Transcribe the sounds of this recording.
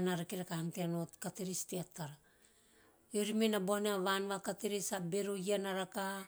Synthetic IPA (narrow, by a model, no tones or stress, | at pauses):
naɾakiɾakahanteanotkateɾisteatːaɾa | oɾimenaboaneaβanβakateɾisabe̞ɾoianaɾaka